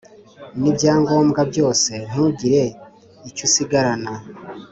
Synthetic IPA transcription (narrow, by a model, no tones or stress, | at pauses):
nibɟaːŋɡo̞ːmɡabɟo̞ːse̞n̥uɟiɾe̞ | icusiɡaɾana